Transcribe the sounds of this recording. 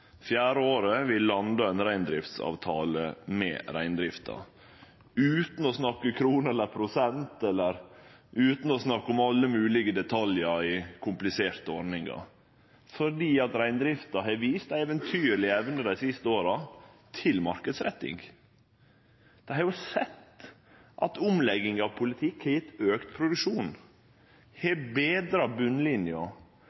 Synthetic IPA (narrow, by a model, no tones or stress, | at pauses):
fjæːɾəoːɾəʋɪlːɑnd̪ɑænɾæɪnd̪ɾɪft̪sɑ̰ːʋt̪ʰɑːləmɛ̰ːɾæɪnd̪ɾɪft̪ʰɑ̰ | ʉːt̪n̩ɔsnɑkːəkʰɾuːnɛlːəɾpʰɾʊsɛnt̪ɛlːəɾʔʉːt̪n̩ɔsnɑkːʊmɑlːəmʉːlɪɡəd̪ɛt̪ʰɑljəɪkʰʊmplɪseːɾt̪əɔɾnɪŋɑ̰ | fɔɖiːɑt̪ɾæɪnd̪ɾɪft̪ɑɦɛʋiːst̪ɛʋənt̪ʰyːɾɭɪɛʋnəd̪æɪsɪst̪əoːɾɑ | t̪ʰɪlmɑɾkəd̪sɾɛt̪ːɪ̰ŋ | d̪̥ɛhɑɾjʊsɛt̪ː | ʔɑ̰t̪ʊmlɛɡɪŋɑʋpʰʊlɪt̪ʰɪkhɛɾjɪt̪ːøːkt̪pʰɾʊd̪ʉkʂuːn | hɛbeːd̪ɾɑbʉnːlɪnjɑ